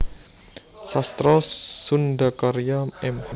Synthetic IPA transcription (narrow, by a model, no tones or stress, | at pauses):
sast̪ɾɔsundakaɾijamɛm